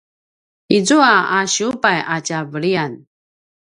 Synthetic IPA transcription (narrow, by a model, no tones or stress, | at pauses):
id͡zuaaɕupajacavəɭian